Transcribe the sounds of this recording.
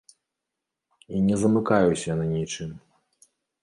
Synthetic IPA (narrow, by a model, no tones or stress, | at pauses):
inʲɛzɐmɨkajusʲɐnanʲit͡ʂɨm